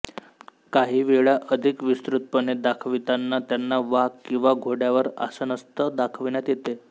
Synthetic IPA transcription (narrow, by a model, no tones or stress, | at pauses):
kaɦiːʋeɭaʔəd̪ʱikʋist̪ɾut̪̚pəned̪akʰʋit̪anːat̪janːaʋaɦɡkːĩw̃ʋaɡʱoɽjaʋəɾə̰sənəst̪əd̪akʰʋinat̪jet̪e